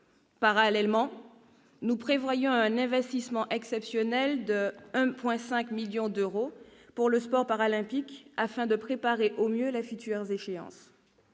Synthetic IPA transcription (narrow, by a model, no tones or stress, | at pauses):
paʁalɛlmɑ̃ | nupχevwajɔ̃ɛ̃nɛ̃vɛst̪ismɑ̃ʔɛksɛpsjɔnɛld̪əɛ̃pwɛ̃sɛ̃kmiljɔ̃d̪øʁopuʁləspɔʁpaʁalɛ̃pikafɛ̃d̪əpχepaʁeʔomjølefyt̪yœʁzeʃeɑ̰̃s